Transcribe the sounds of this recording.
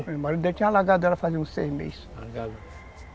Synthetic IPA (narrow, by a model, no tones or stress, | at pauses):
maɾid̪et͡ʃ̪ĩalaɡad̪ʊɛlɐfaziũsejmḛs | laɡad̪ɐ